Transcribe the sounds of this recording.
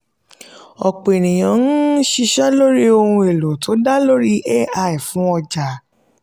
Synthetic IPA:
ɔ˨k͡pe˨ñĩ˨j̃ã˨˦n̩˦ʃi˧ʃa˦lo˦ɾi˦o˧hũ˧e˨lo˨tʰo˨˦da˦lo˦ɾi˦ʔɛ˦a˧i˨fũ˨˦ɔ˧d͡ʒa˨

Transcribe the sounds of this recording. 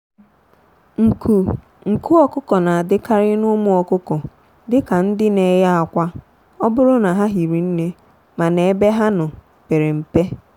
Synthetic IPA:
ŋ̩˨ku˨ | ŋ̩˨ku˦ɔ˦kʊ˦kɔ˨na˨a˨dɪ˦ka˦ɾɪ˦nʊ˦mʊ˦ɔ˨kʊ˦kɔ˨ | dɪ˦ka˨n̩˦dɪ˦ne˨˦ja˦a˨kʷa˦ | ɔ˦bʊ˦ɾʊ˦na˨ɦa˦ɦi˨ɾi˨n̩˦ne˦ | ma˨ne˨˦be˦ɦa˦nʊ˨ | pe˨ɾe˨m̩˨pe˦

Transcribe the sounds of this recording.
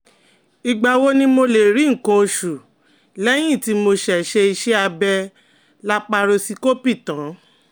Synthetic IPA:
i˧ɡ͡ba˧˨wo˦nĩ˦mo˧le˨ɾi˨˦ŋ̩˨kõ˧ʃu˨ | lɛ˦j̃ĩ˦˨ti˦mo˧ʃɛ˨ʃe˧i˧ʃe˦a˧bɛ˧ | la˦k͡pa˧ɾo˧si˧ko˦pi˦˨tã˨˦

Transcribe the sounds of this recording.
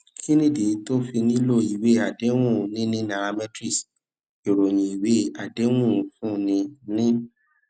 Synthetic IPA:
ki˦nĩ˦˨di˨˦to˦fi˧nĩ˦lo˦˨i˨we˦a˨de˨˦w̃ũ˦˨nĩ˦nĩ˦nã˨a˧mɛ˦tɾi˦˨s | e˨ɾo˨j̃ĩ˨i˨we˨˦a˨de˦w̃ũ˦˨fũ˦˨nĩ˧nĩ˦

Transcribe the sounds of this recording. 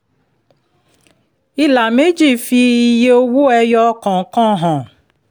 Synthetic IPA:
i˦la˨me˦d͡ʒi˦˨fi˧i˦je˦o˦wu˦ɛ˦jɔ˦kɔ̃˨˦kɔ̃˦ɦɔ̃˨

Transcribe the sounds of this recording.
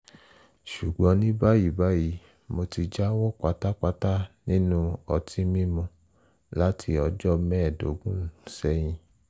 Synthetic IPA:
ʃu˨ɡ͡bɔ̃˨˦nĩ˦ba˦ji˦˨ba˨˦ji˨˦ | mo˧ti˧d͡ʒa˦wɔ˦k͡pa˨˦ta˦k͡pa˧ta˦nĩ˦nũ˦ɔ˧tʰi˦mĩ˦mɔ̃˧ | la˦tʰi˧ɔ˧d͡ʒɔ˦mɛ̃˦˨do˨˦ɡũ˦˨sɛ˦j̃ĩ˧

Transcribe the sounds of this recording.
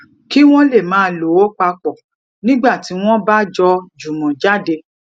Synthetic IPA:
ki˦w̃ɔ̃˦le˦˨mãː˨˦lo˨˦o˦k͡pa˧k͡pɔ˨ | nĩ˦ɡ͡ba˦˨ti˨˦w̃ɔ̃˦ba˦d͡ʒɔ˧d͡ʒu˨mɔ̃˨d͡ʒa˦de˧

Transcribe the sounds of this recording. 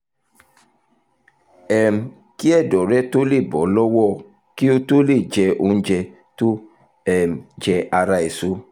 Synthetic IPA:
ɛ˨m̩˨˧ | ki˦ɛ˦˨dɔ˨ɾɛ˦to˦le˦˨bɔ˨˦lɔ˦wɔ˦˨ | ki˦o˧˦to˦le˦˨d͡ʒɛ˧o˧n̩˦d͡ʒɛ˧ | to˦ | ɛ˨m˨d͡ʒɛ˧ʔa˧ɾa˧e˨so˦

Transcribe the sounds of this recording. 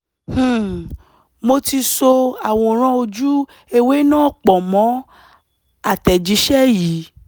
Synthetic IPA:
h̩˦˨ | mo˧ti˧so˧a˨w̃ɔ̃˧˨ɾ̃ã˧o˧d͡ʒu˦ | e˧we˨˦nãː˦˨k͡pɔ˨mɔ̃˨˦ | a˦˨tɛ˨d͡ʒi˨˦ʃɛ˦˨ji˨˦

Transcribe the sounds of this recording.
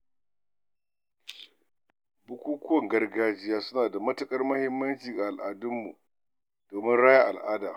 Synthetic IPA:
bʊ˦kʷuː˦kʷʊ˦wɔ˨ŋɡɐ˦rɡaː˦d͡ʒɪ˦jaː˦sʊ˦naː˨da˨mɐ˦tɐ˨kʼɐ˦rmɐ˦hɪ˦mːɐ˦nt͡ʃiː˨ɡa˨ʔa˨lʔaː˨dʊ˦mːṵ˨ | d̥oː˨mɪ˦nɽaː˦ja˦ʔa˨lʔaː˦daː˨

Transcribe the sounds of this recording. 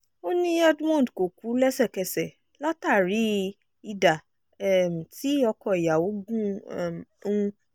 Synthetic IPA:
o˦nĩ˧a˦dmɔ̃˦˨dko˨ku˨˦lɛ˦sɛ˦˨kɛ˨sɛ˨ | la˦ta˦˨ɾi˨˦ | i˧da˨˦˨ | m̩˨ti˨˦ɔ˧kɔ˧˨i˨ja˨wo˨˦ɡũ˦˨m˨ũ˦˧˦

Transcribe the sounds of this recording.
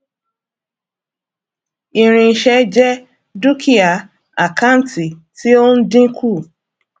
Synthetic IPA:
i˨ɾ̃ĩ˧˨ʃɛ˧d͡ʒɛ˦ | du˦kʰi˦a˨ | a˨ka˦˨n˨ti˨ | ti˦o˦n̩˦dĩ˦kʰu˦˨

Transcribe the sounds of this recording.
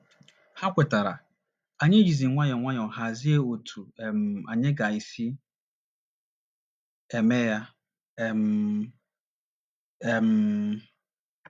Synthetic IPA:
ha˦kʷe˨ta˨ɾa̰˨ | a˨ɲe˦d͡ʒi˨zi˨ŋʷa˦ɲɔ˨ŋʷa˦ɲ˨ɔ˨ha˨zi˦e˦o˨tʰu˨e˨m̩˨a̰˨ɲe˦ɡa˨i˨si˦ | e˨me˦ja˦˨ | m̩˦ | e˨m̩˨

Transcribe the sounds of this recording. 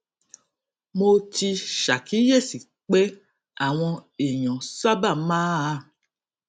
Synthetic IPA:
mo˧ti˧ʃa˨kʰi˨˦je˦˨si˨ | k͡pɛ˦ | a˦˨w̃ɔ̃˧e˨j̃ɔ̃˨sa˦ba˦˨mãː˦a˧˦

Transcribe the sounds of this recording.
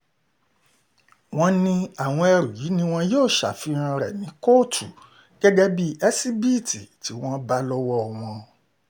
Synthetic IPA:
w̃ɔ̃˧nĩ˧a˨w̃ɔ̃˧ɛ˧ɾo˨ji˨˦nĩ˧w̃ɔ̃˧joː˦˨ʃa̰˨fi˨˦ɾ̃ã˧ɾɛ̰˨nĩ˨˦ko˦˨tʰu˨ | ɡ̥ɛ˦ɡɛ˦bi˦ɛ˦si˦bi˦˨ti˨ti˨˦w̃ɔ̃˦ba˦lɔ˦wɔ˦˨w̃ɔ̃˧

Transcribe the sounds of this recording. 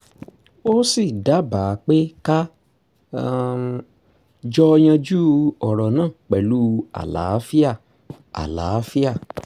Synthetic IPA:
o˦si˦˨da˨˦ba˨˧k͡pe˦ka˦ | d͡ʒɔ˦˧j̃ã˧d͡ʒu˦ɔ˨ɾɔ˨nãː˦˨k͡pɛ˨lu˦a̰˨la̰˨˦fi˦a˦˨ | a̰˨la̰˨˦fi˦a˦˨

